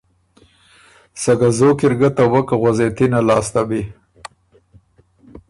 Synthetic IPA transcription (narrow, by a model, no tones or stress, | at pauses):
saɡazokiɾɡat̪awakaɣazet̪inalɑːst̪abi